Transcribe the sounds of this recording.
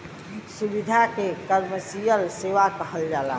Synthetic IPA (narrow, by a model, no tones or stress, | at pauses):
subid̪ʱakekəɾməsijəlseʋakəɦəld͡ʒala̰